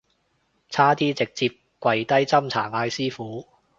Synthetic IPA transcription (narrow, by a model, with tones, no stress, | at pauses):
t͡sʰaː˥t̪iː˥t͡sɪ˨k̚t͡siː˧p̚ | kʷwɐ˨jt̪ɐ˥jt͡sɐ˥mt͡sʰaː˨˩ŋaː˧jsiː˥fuː˨˥